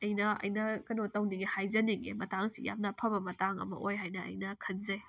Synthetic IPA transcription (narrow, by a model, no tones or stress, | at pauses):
ɐjnɐɐ̰jnɐkɐnotɐwniɡehajzɐniɡḛmɐtaŋsḭja̰m̚nɐpʰɐbɐmɐtaŋɐ̰mɐ̰ʔojɦajnɐɐ̰jnɐkʰɐnzej